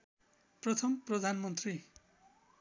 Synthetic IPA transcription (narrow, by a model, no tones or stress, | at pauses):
prʌt̪ʰʌmprʌd̪ʱanmʌnt̪ri